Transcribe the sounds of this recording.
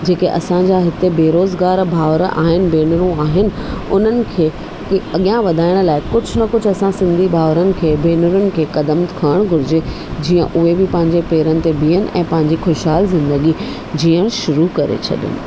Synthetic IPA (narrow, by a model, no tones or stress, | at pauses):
d͡ʑeːkeʔɐ̰sãd͡ʑaːɦɪt̪ebeːɾoːzɡaːɾbʱaːʋɾa̰ːɦɪnɪ̆beːnʊɾũaːɦɪnɪ̆ʊn̤ənɪ̆kʰeː | ɐɠijãʋɐd̪ʱaːɪɽ̃laːɪkʊd͡ʑʱʊ̆nɐkʊd͡ʑʱɐsãsɪ̃nd̪ʱibʱaːʋɾənɪ̆kʰeːbeːnəɾʊnɪ̆kʰeːkɐd̪əmkʰəɽ̃ɡʱʊɾɪd͡ʑe | d͡ʑiːə̃ʔʊɦebɪpɐ̃ɦɪ̃ɲd͡ʑepeːɾənɪ̆t̪ebʱiːənɪ̆ʔɛ̰̃ːpɐ̃ɦɪ̃ɲd͡ʑixoʃɦaːlzɪ̃nd̪əɡi | d͡ʑiːəɽ̃ʃʊɾukɐɾḛt͡ɕʰɐ̰ɗɪ̰nɪ̰̆